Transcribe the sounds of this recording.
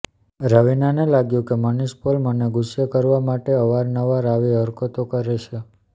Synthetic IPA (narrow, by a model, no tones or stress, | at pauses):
ɾəʋinanelaɡjũkeməniʃpolməneɡuʃjəkəɾʋamaʈeəʋaɾnəʋaɾaʋiəɾkot̪okəɾeʃʰe